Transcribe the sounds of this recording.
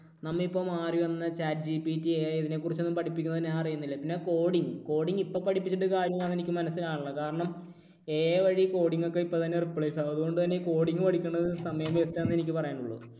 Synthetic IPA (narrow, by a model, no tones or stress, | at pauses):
nɐmːɐɭipːoːmaːriʋɐnːɐt͡ɕaːd̚d͡ʑipitːiiðine̞ːkːurit͡ɕːenːumpɐʈʰipːikʲːunːɐðinːeaɐrɐjunːilːɐpinːe̞ko̞ːɽiŋko̞ːɽiŋːɡipːoːpːɐʈʰipːit͡ɕːiʈːɨkaːɾjɐmaːnːe̞nikʲːɨmɐnɐsilaːɳɨɭːɐkaːɾɐɳɐm | e̞ːʋɐɻiko̞ːɽiŋːokːe̞ipːot̪ɐnːeripːɭejsaɐðuɣo̞ɳɖɨt̪ɐnːe̞ko̞ːɽiŋːɨpɐʈikʲːuɳːɐðsɐmɐjɐmest̪ːɐenːe̞nikʲːɨpɐrɐjaːnuɭːɐ̰ɨ